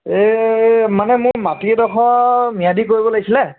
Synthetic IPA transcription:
emanɛmʊɹmatidɔxʰɔmijadik̬oɹibɔlaɡisilɛ

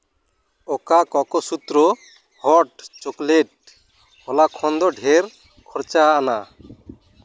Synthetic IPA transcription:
ɔkakɔkɔsut̪ɾɔ | hɔʈt͡ʃokleʈ̚ | hɔlakʰɔnd̪ɔɖʱeɾ | kʰɔɾt͡ʃaːna

